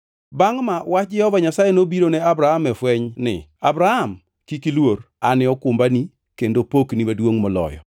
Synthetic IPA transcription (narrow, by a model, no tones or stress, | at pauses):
baŋmawat͡ʃ̚d͡ʒɛhɔvaɲasajenobiɾoneabɾahamɛfwɛɲnɪ̰abɾaham | kikilwoɾ | anɪɔkʊmbani | kendopoknimadwoŋmɔlɔ̰jɔ̰